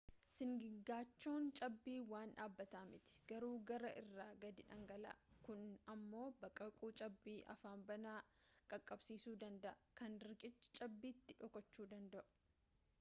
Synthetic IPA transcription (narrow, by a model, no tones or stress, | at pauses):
sɪŋɡɪɡːaːt͡ʃːoːnt͡ʃʼɐbːiːwaːnᶑaːbːɐt̪aːmɪt̪ɪ̥ɡ̥ɐɾuːɡɐɾɐʔɪrːaːɡɐd̪ɪᶑɐŋɡɐla̰ːkʊnɐmːo̞ːbɐkʼːɐkʼuːt͡ʃʼɐbːiːʔɐ̰faːmbɐnaːkʼɐkʼːɐbsiːsuːd̪ɐnd̪ɐʔɐkɐnɾɾɪkʼɪt͡ʃːt͡ʃʼɐbːiːt̪ːɪᶑɔkɔt͡ʃːuːd̪ɐnd̪ɐʔʊ̥